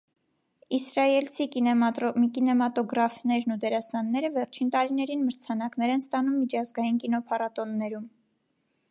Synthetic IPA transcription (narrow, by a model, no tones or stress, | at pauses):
isɾɑjɛlt͡sʰikikinɛmɑt̪ɔɡɾɑfnɛɾnud̪ɛɾɑsɑnːɛɾəvɛɾt͡ʃʰint̪ɑɾinɛɾinməɾt͡sʰɑnɑknɛɾɛnst̪ɑnumːit͡ʃʰɑzɡɑjinkinɔpʰɑɾɑt̪ɔnːɛɾum